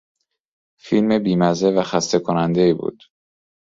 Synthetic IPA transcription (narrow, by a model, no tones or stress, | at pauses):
filme̞biːmæzevæxæst̪e̞kʰonænd̪eiːbṵːd̪̥